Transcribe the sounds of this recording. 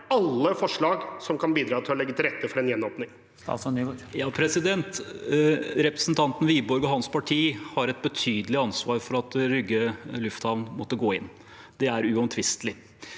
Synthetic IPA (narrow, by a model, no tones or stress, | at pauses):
ɑlːəfɔʂɭɑːɡsɔmkʰɑnbiːd̪ɾɑːt̪ɪlɔlɛɡːət̪ʰɪlɾɛt̪ːəfɔɾɛnjɛnːɔːpnɪŋ | sɑ̰sɔnyːʋojɑːpʰɾɛsɪd̪ɛnt̪ | ɾɛpɾəsn̩t̪ʰɑnt̪n̩ʋiːbɔɾɡɔɦɑnspɑʈʰiːhɑɾɛt̪̚bət̪ʰyːd̪əlɪɑnsʋɑːɾfɔɾɑt̪ɾʏɡəlʉft̪hɑʋnmɔt̪ːəɡoːɪ̰nː | d̪̥ɛæɾʉɔmt̪ʰʋɪst̪lɪ